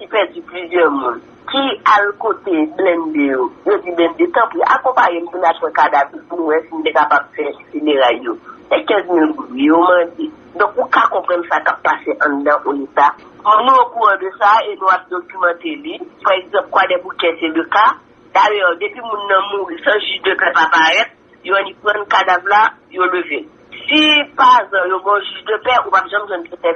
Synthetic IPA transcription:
kipɛd͡ziplyzjɛmũn | kialkot̪eblɛ̃ndejojod͡ziblɛ̃ndet̪ãpuʔa̰kɔ̃paɣem̩mũnapwɛ̃kadavipunũwɛsin̩t̪ekapab̚fɛkseleɣaljosɛkɛ̃zmilɡijomãd̪e | d̪ɔ̃kukakɔ̃pʁɐ̃nsakapːaseʔɐ̃d̪ãʔonita | ɔ̃nũokuʁãdəsaenũap̚d̪okymɑ̃t̪elipaʁɛɡzɐ̃p̚kwadɛbukɛseløka | d̪ajœd̪epɥimũnːɐ̃mũisɐ̃ʒyʒdøpɛpapaɣɛt̪̚ | joãnĩpʁʌ̃nkadavla | joləve | sipazɐ̃jobɔ̃ʒyʒdøpɛupapʒãmʒwɛ̃nket̪ɛ̃

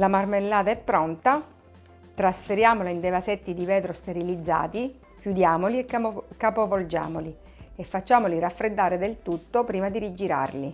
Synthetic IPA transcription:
lamarmelːaːt̪aɛpːɾɔnt̪a | t̪ɾasfeɾjaːmolaind̪evasɛt̪ːid̪ivɛːt̪ɾost̪eɾilid̪zːa̰ːt̪i | kjud̪jaːmoliekkːapovold͡ʒa̰ːmoli | efːat͡ʃːaːmoliɾafɾed̪ːaːɾed̪elt̪ut̪ːopɾiːmad̪iɾid͡ʒiɾa̰rli

